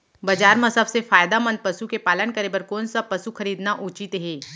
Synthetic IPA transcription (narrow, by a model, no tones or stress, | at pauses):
bɐd͡ʒaːɾmɐsəbsefaːjd̪amɐ̃nd̪̚pɐsukepaːlənkɐɾeːbəɾkoːnsapɐsuxɐɾiːd̪naʔuːt͡ʃɪt̪ɦeː